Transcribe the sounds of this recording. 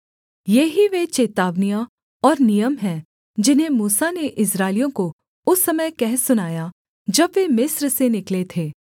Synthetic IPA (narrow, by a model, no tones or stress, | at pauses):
jeɦiʋet͡ʃeːt̪aːʋnija | ɔːɾnijəmɦɛ̃ | d͡ʒɪnɦẽmuːsaneʔɪsɾaːɪlijõko | ʊsːɐməjkɛɦsʊnaːja | d͡ʒɐbʋemɪsɾsenɪklet̪ʰeː